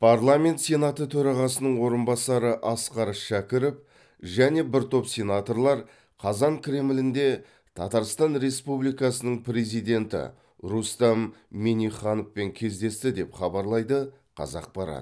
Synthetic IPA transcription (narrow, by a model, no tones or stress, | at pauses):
pʰɑrlˠamʲe̞nt̪sʲe̞nat̪ət̪ʰɵɾɑʁɑsənəɴwo̞ɾənbɑsɑɾəʔɑsqɑɾəʃækʲɪɾɪp | ʒæne̞bɪɾt̪ʰo̞psʲe̞nat̪o̞ɾlˠɑɾ | qʰɑzɑŋkʲʰɾʲe̞mlɪnd̪e̞ | t̪ʰɑ̰t̪ɑɾst̪ɑnɾe̞spublijkɑsənəɴpʰɾe̞zijd̪e̞nt̪ɪ̰ | ɾust̪ɑmːeniχɑnofpe̞ŋkʲʰe̞zd̪e̞st̪ɪd̪e̞pχɑbɑɾlˠɑjd̪ə | qʰɑ̰zɑ̰q̚pɑɾɑ̰t̪